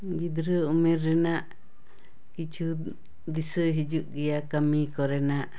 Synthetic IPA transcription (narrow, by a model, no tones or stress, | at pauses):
ɡid̪ɾəumĩɾːɛnaʔ | kit͡ʃu | d̪isɨɦid͡ʒuʔɡijakamĩkɔɾenaʔ